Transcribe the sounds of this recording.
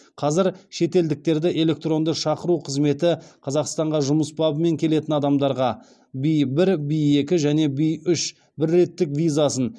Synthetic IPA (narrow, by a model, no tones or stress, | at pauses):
qʰɑzɪɾʃe̞t̪e̞ld̪ɪk̚t̪e̞ɾd̪ɪʔe̞le̞k̚t̪ro̞nd̪əʃɑqəɾuqʰəzme̞t̪ɪqʰɑzɑqst̪ɑɴʁɑʒʊməsbɑbəme̞ŋkʲʰe̞le̞t̪ɪnɑd̪ɑmd̪ɑɾʁɑ | bijbɪɾbije̞kʲɪʒæne̞bijʏʃ | bɪɾːe̞t̪ːɪkvijzasən